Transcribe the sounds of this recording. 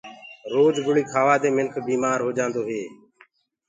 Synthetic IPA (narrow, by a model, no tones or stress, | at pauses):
ɾoːd͡ʒɡʊɽiːkʰaːʋaːd̪eːmɪlkʰbiːmaːɾɦoːd͡ʒãːnd̪oːɦeː